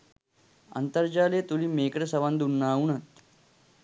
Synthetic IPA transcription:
ə̰nt̪əɾd͡ʑaːlet̪uliːmekɽəsəʋand̪unːaːuɳat̪

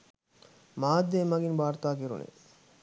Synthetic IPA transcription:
maːd̪ːemaɡinbaːɾt̪aːkiɾṵnʔḛ

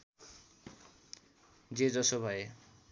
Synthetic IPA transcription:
d͡zed͡zʌsobʱʌe

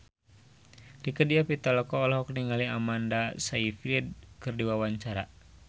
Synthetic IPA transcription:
rikədiapit̪alɔkɔːlɔɦɔkniŋaliamandasaifilid̪̚kɨrdiwawaɲt͡ʃaɾa̰

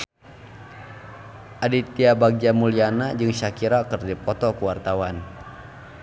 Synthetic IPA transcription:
ʔadit̪iabaɡ̚d͡ʒamulianad͡ʒɨŋʃakiɾakərdipɔt̪ɔkuwart̪awan

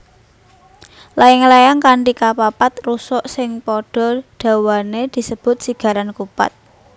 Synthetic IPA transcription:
laɪŋlajaŋkaɳɖikapapat̪̚rusɔʔsɪŋpɔɖ̥ɔ̤ɖ̥a̤waned̪̥i̤səb̥ʊ̤t̪̚siɡ̥a̤ɾankupa̰t̪̚

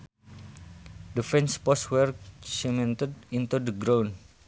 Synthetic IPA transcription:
difɛnspɔswɛrsimɛ̃nt̪ədint̪udəɡɾawn

